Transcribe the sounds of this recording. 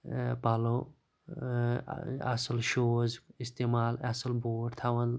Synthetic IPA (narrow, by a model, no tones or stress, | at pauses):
balo | a̰slʃozist̪emaːlaslboːɖt̪ʰawɐn